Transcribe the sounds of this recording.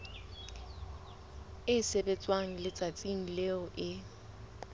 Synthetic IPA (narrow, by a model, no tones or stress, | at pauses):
ɪsebet͡sʼwaŋ̩lɪt͡sʼat͡sʼiŋ̩leʊʔɪ